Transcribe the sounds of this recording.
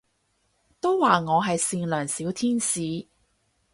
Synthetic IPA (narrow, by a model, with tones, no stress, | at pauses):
t̪o˥wwaː˨ŋɔː˨˧ɦɐ˨jsiː˧nlœː˨˩ŋsiː˨˥wt̪ʰiː˥nsiː˨˧